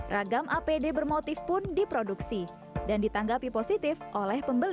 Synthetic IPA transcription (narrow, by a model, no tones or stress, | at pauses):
rʔaɡamʔapedebərmot̪ɪfpʊndipɾoduksi | dandit̪aŋɡapiposit̪ɪfʔolɛhpəmbəl